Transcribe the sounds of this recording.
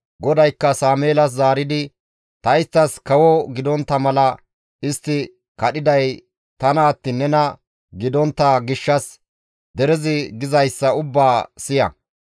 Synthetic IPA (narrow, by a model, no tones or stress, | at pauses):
ɡɔd̪ɐjkːɐsaːmeːlɐs̬zaːɾɪd̪ɪ | t̪ɐjɪst̪ːɐskɐwɔɡɪd̪ɔnt̪ːɐmɐlɐ | ɪst̪ːɪ | kɐɗɪd̪ɐj | t̪ɐnɐːt̪ːinːɛnɐ | ɡɪd̪ɔnt̪ːɐɡɪʃːɐs | d̪ɛɾɛzɪɡɪzɐjsːɐʊbːaːsɪjɐ̰